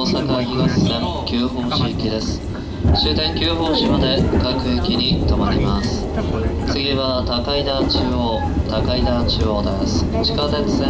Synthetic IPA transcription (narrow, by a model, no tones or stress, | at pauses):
oːsakaçʲiɡasi̥sẽŋkʲɨːɦõɰ̃ɕikʲid̪e̞sɨ̥ | ɕɨːt̪aikʲɨːɦõɰ̃ɕimad̪e̞kakɯ̟ekʲiɲ̟it̪amaɾʲimasɨ̥ | t͡sɨɡʲiβat̪akaid̪at͡ɕː | o | t̪akaid̪at͡ɕɨoːd̪asɨ̥t͡ɕi̥kat̪et͡sɨ̥sẽ